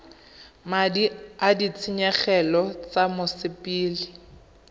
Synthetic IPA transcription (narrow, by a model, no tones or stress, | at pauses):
madiadit͡sʰiɲɛχɛlɔt͡samʊsɪpʼiːlɪ